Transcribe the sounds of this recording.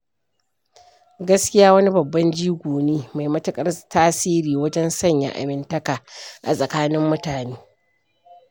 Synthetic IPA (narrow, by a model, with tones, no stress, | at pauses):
ɡɐ˦skʲɪ˦jaː˦wɐ˦ni˦bɐ˨bːɐ˦nd͡ʒiː˦ɡʷoː˨neː˦ma˨jmɐ˦tʊ˦kʼɐ˦rtʰaː˦siː˦ɾiː˨wɐ˦d͡ʒɛ˦nsɐ˦˨ɲja̰˨ʔa̰˨mɪ˦ntɐ˦kaː˨ʔa̰˨sʼɐ˨kaː˦nɪ˦mːʊ˦taː˨neː˦